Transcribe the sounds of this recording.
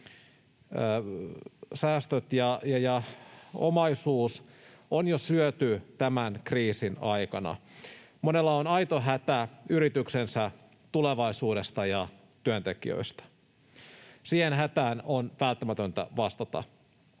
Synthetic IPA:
sæːst̪øt̪jɑjɑjɑo̰mɑisuːs | onjosyøt̪yt̪æmænkriːsinɑjkɑnɑ̰ | monelːɑonɑjt̪oɦæt̪æyɾit̪yksensæ | t̪uleʋɑisuːɾe̞st̪ɑjɑ | t̪yønt̪ekḭø̰ist̪ɑ̥ | siːhenɦæt̪æːnonʋælt̪ːæmæt̪ønt̪æ̰ʋɑst̪ɑt̪ɑ̰

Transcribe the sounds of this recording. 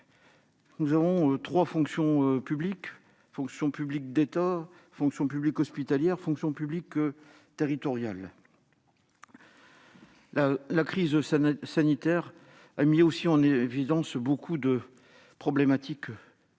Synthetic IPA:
nuzavɔ̃øt̪χwafɔ̃ksjɔ̃pyblik | fɔ̃ksjɔ̃pyblik̚d̪et̪a | fɔ̃ksjɔ̃pyblikɔspit̪aljɛʁfɔ̃ksjɔ̃pyblik | t̪eʁit̪ɔʁjal | alakχizsanit̪ɛʁ | amiosiɑ̃nevid̪ɑ̃sbokʰud̪ə | pχɔblemat̪ik

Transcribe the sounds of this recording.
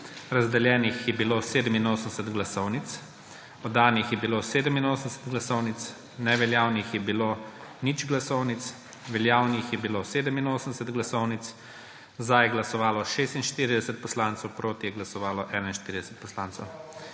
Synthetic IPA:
ɾazd̪ɛljɛːnixjɛbiloːseːd̪əminoːsənɛsɛt̪ɡlasɔwnit̪s | ɔd̪aːnixjɛbiloːseːd̪əminoːsənd̪ɛsɛt̪ɡlasɔwnit̪s | nɛʋɛljaːwnixjɛbiloːnit͡ʃɡlasɔwnit̪s | ʋɛljaːwnixjɛbiloːseːd̪əminoːsənd̪ɛsɛt̪ɡlasɔwnit̪s | zd̪ajɛɡlasɔʋaːlɔʃeːst̪inʃt̪iːɾid̪ɛsət̪̚pɔslaːnt̪sɛwpɾoːt̪ijɛɡlasɔʋaːlɔʔɛnainʃt̪iːɾid̪ɛsə̥t̪̚pɔslaːnt̪sɛw

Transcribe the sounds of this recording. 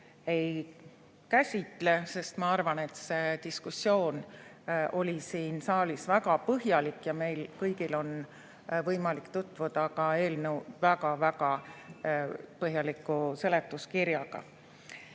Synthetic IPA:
e̞j | kæsʲit̪ˑle̞se̞st̪mɑɑrvɑne̞t̪se̞t̪iskusjo̞ːn | ʔo̞lʲisiːnsɑːlisvæɡɑpɤɦjɑlikˑːjɑme̞jlkɤjɡilo̞n | vɤjmɑlikt̪ut̪ːˑvud̪̥ɑkɑe̞ːlnewvæɡɑvæɡɑ | pɤɦjɑlikːˑuse̞le̞t̪ːˑuskiɾjɑɡ̥ɑ̰

